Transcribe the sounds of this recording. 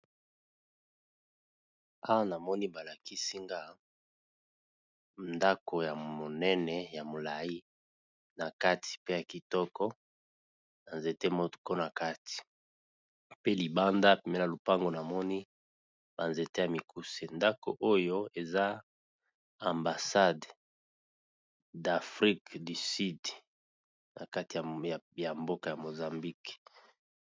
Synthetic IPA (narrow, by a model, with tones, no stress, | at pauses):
a˦wa˦na˨mɔ˦ni˦ba˨la˨ki˦si˦ŋɡa˦˨ | nda˦ko˨ja˨mo˨nɛ˦nɛ˨ja˨mo˨la˨i˦ | na˨ka˦ti̥˨pe˦ja˨ki˨tɔ˦kɔ˦ | na˨nze˨te˦mo˦tko˦na˨ka˦ti̥˨ | pe˦li˨ba˦nda˦pe˨me˦na˨lo˨pa˦ŋɡo˨na˨mɔ˦ni˦ | ba˨nze˨te˦ja˨mi˨ku˦se˨nda˦ko̰˨ʔo˦jo˦e˨za˦ | a˨mba˨sa˦d | da˨fʁi˦kdi˨si˦d | na˨ka˦ti˨ja˨mbo˦ka˨ja˨mo˨za˨mbi˦k